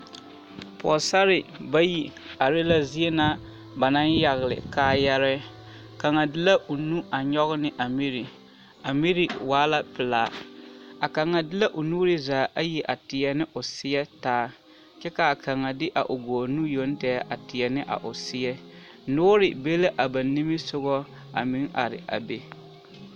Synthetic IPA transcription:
pɔ˨sa˦ɾɪ˨ba˦ji˨a˨ɾɪ˦la˦zi˦e˦na˦ | ba˨na˦nja˨ɣɪ˨lɪ̰˨kaː˦jɛ˦ɾɛ˦ | ka˨ŋa˨dɪ˦la˦ʔo˨nu˦a˨ɲɔ˦ɣɪ˦nɪ˦ʔa˨mi˦ɾi˨ | a˨mi˦ɾi˨waː˦la˦pɪ˨laː˨˦˨a˨ka˨ŋa˨dɪ˦la˦ʔʊ˨nuː˦ɾɪ˦zaː˨˦ʔa˦ji˨ʔa˨tɪ˨ɛ˨nɪ˦ʔʊ˨sɪ˦ɛ˦taː˦ | t͡ʃɛ˦ka˨ka˨ŋa˨dɪ˦ʔa̰˨ʔʊ˨ɡoː˨nu˦jo˨˦n˦tɛ˦ʔa˨tɪ˨jɛ˨nɪ˦ʔa̰˨ʔʊ˨sɪ˦jɛ˦ | nʊː˦ɾɪ˨be˦le˦ʔa˨ba˨ni˦mi˦sʊ˦ɣɔ˦ | a̰˨mi˨˦ŋa̰˨ɾɪ̰˨ʔa̰˨be˨

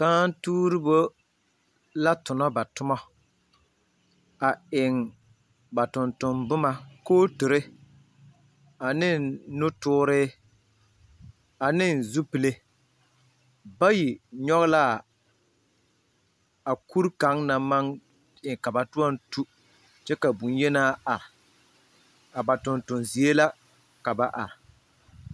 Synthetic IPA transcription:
kaː˦n˦tuː˦ɾɨ˦bo˦ | la˦tʊ˨nɔ˦ba˨tʊ˦mɔ˦ | a˨ɪ˨ŋ | ba˨tʊ˨ntʊ˨mbʊ˦ma˦koː˦tu˨ɾe˦ | a˨nɪ˦nnʊ˦tʊː˦ɾɪː˦ | a˨nɪ˦n˨zu˦pɨ˨le˦ | ba˦ji˨ɲɔ˦ɣla˦˨ | a˨ku˦ɾka˨˦ŋna˨ma˦ŋ | ɪ˨ka˨ba˨tu˦ɔ˦n˦tu˦ | t͡ʃɛ˦ka˨bu˨n˦jɛ˦naː˦a˨ɾɪ˨ | a˨ba˨tʊ˨ntʊ˨nzi˨e˦la˦ | ka˨ba˨ʔa˨ɾɪ˨

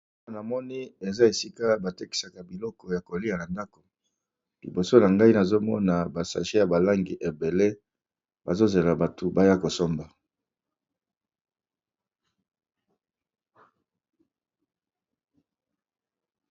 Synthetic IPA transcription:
a˦˨na˨mɔ˦ni˦e˨za˦e˨si˦ka˦ba˨te˦ki̥˨sa˨ka˨bi˨lɔ˦kɔ˨ja˨ko˨li˦a˨na˨nda˦ko˨ | lḭ˨bo˨so˦na˨ŋɡa˦i˦na˨zo˦mɔ̰˦na˨ba˨sa̰˨ʒe˦ja˨ba˨la˦ŋɡi˨ʔe˨be˨le˦ | ba˨zo˦ze˨la˨ba˨tʰu˨ba˦ja˦ko˨so˦mba˨

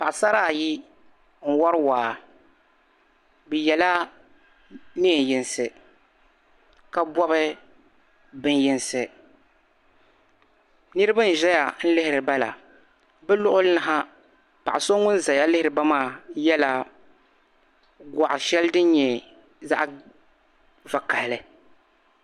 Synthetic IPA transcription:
pa˨ʔsa˦ɾaː˦˨ji˦ | n̩˨wa˦ɾɨ˦waː˨ | bɨ˨jɛ˨la˦ | ni˦ɛ˨jɪ˨nsɨ˨ | ka˨bɔ˦bɨ˦ | bɨ˦njɪ˦nsɨ˨ | nɨ˦ɾɨ˦ba˦n̩˦ʒɛ˦ja˨n̩˦lɪ˦hɪ˦ɾɨ˨ba˦la̰˨ | bɨ˦lʊ˦ʔʊ˦lna˨ɦa˦ | pa˨ʔa˨so˦ŋʊ˦n˦za˨ja˦lɪ˦hɪ˦ɾɨ˨ba˦maː˦˨jɛ˦la˨ | ɡʷa˨ʔʃɛ˦ldɨ˦ɲɛ˨ | za̰˦ʔ | va˨ka˨hlɨ˦

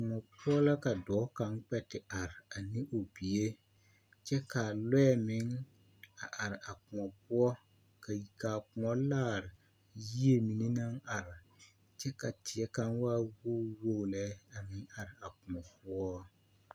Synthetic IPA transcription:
kʊ˨ŋɔ˨pu˦ɔ˦la˦ka˨dɔː˨˦ka˨˦ŋk͡pɛ˦tɪ˨a˨ɾɪ˨a˨nɪ˦ʔo˨bi˨e˦ | t͡ʃɛ˦ka˨lɛ˦ɛ˦mɪ˨˦ŋ | a˨ʔa˨ɾɪ˨ʔa˨kʊ˨ŋɔ˨pʊ˦ɔ˦ | ka˨kaː˨kʊ˨ŋɔ˦laː˦˨ɾɪ˨ | ji˦e˦mi˨ni˦na˦ŋa˨ɾɪ˨ | t͡ʃɛ˦ka˨tɪ˨ɛ˦ka˦nwaː˦wo˦wo˦˨lɛ˦a˨mɪ˨˦ŋa˨ɾɪ˨a˨kʊ˨ŋɔ˨pʊ˦ɔ˦

